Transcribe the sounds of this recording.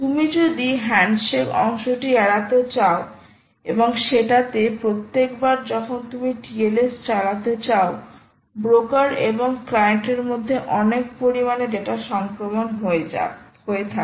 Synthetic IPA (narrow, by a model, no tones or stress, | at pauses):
t̪umid͡ʑod̪iɦɛɳɖʃekɔŋʃoʈiɛɽat̪et͡ɕao | eboŋʃeʈat̪epɾot̪ːekbaɾd͡ʑɔkʰont̪umiʈielesʈt͡ɕalat̪et͡ɕao | bɾokaɾḛboŋklajeɳʈeɾmod̪ʱːeʔɔnekpoɾimaned͡ʑeʈaʃɔŋkɾomonɦoḛɦoet̪ʰa